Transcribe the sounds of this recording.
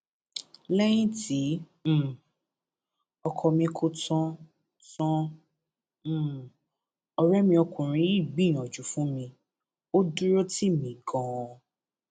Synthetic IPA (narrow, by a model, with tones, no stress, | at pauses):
lɛ˦j̃ĩ˦tĩ˨˦˨ | ɔ˧kʰɔ˧mĩ˧kʰo˧tɔ̃˦ | tɔ̃˦˨ | ɔ˧ɾɛ˦mĩ˧ɔ˧kũ˨ɾ̃ĩ˨˧i˦˨ɡ͡bĩ˦˨ɔ̃˨d͡ʒu˨˦fũ˦mĩ˧ | o˦du˦ɾo˦ti˦˨mĩ˨ɡɔ̃˧˦ɔ˧